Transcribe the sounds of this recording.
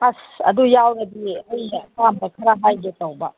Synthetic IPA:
pʰasɐ̰dujawɾɐdiɐjɐkamdɐkʰɐɾaɦajɡetɐwbɐ

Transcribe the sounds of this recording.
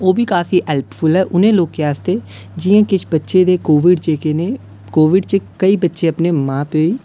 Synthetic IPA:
oːbʱiːkaːfiːɦɛːlppʰʊlɦɛːʔʊnẽːloːkkeaːst̪eː | d͡ʒɪːãːkɪt͡ʃʰbətːʃeːd̪eːkoːʋɪɖt͡ʃeːkeneː | koːʋɪɖt͡ʃəkəiːbətːʃeːəpneːmãːpoːiː

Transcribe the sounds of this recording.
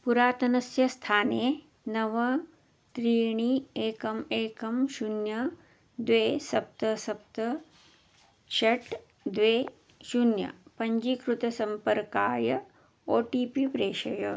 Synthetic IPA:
puɾaːt̪ɐnɐsjɐst̪ʰaːneː | nɐʋɐ | t̪ɾiːɳieːkɐmeːkɐmʃunjɐ | d̪ʋeːsɐp̚t̪ɐsɐp̚t̪ɐ | ʃɐʈ | d̪ʋeː | ʃunjɐ̰pɐɲd͡ʒikɾut̪ɐsɐmpɐɾkaːjɐ | oːʈiːpipɾeːʃɐjɐ

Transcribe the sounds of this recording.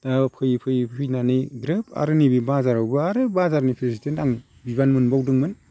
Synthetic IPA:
d̥apʰɯjpʰɯjpʰɯjnanɯɡɾɯpʰa̰ɾɯnibibazaɾawbɯaɾɯbazaɾnipʰesitʰentaŋ | bibanmɯnbawdɯŋmɯn

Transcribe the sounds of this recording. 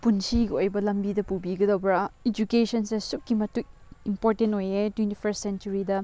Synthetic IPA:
punsiɡɐojbɐlɐmbidɐpubiɡɐdɐwbɾɐed͡ʒukesɐnsesuk̚kimɐtuk̚impoɾtentojetwentipʰɐɾssent͡ʃuɾidɐ

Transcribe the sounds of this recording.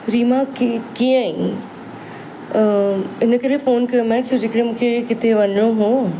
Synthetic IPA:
ɾiːmakikiːə̃ĩ | ɪnə̆kɐɾefoːnkɐjomɛːt͡ɕd͡ʑekəɽemũːkʰekɪt̪ʰeʋɐɲjoɦoː

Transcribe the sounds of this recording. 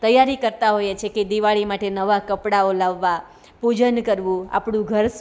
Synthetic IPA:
t̪əjaɾikəɾt̪aɦojet͡ʃʰeked̪iʋaɭimaʈenəʋakəpɽaolaʋːa | pud͡ʒənkəɾʋũa̰pɽ̃ũɡʱəɾs

